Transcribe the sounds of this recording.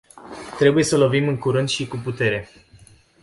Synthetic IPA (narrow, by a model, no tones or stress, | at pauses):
t̪ɾe̞buje̞səlo̞vimɨŋkuɾɨnd̪ʃikuput̪e̞ɾe̞